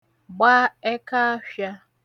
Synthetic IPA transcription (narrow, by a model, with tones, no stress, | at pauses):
ɡ͡baː˦ɛ˦ka˦fja˦